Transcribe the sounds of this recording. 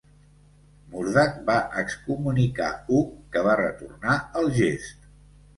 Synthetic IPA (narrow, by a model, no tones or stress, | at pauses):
muɾðak̚baʔəkskumunika̰ukəβarə̰t̪ṵrnaəlˠʒest̪